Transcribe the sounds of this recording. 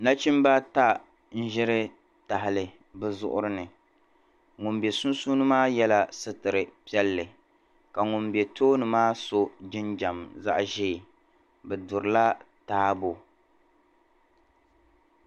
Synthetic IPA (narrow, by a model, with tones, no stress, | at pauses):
na˦t͡ʃi˦m˦ba˦ta˦ | n̩˦ʒɪ˦ɾɪ˦ | ta˨ɦɪ˨lɨ˨ | bɨ˦zʊ̰˦ʔʊ̰˦ɾɨ˦nɨ˨ | ŋʊ˨mbe˨su˦nsuː˦nɨ˦maː˦jɛ˦la˦sɨ˦tɨ˨ɾɨ˨pi˦ɛ˦lːɨ˨ | ka˨ŋʊ˨mbe˨toː˦nɨ˨maː˦so˦d͡ʒɪ˦nd͡ʒa˨mza̰˦ʔʒe˦˨ | bɛ˨dʊ˨ɾɨ˨la˦ | taː˦bo˨